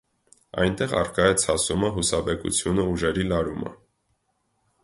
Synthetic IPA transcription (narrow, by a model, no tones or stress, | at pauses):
ɑ̰jnt̪ɛʁɑ̰rkɑjɛt͡sʰɑsuməɦusɑbɛkṵt͡sʰjunəuʒɛɾilɑɾumə̰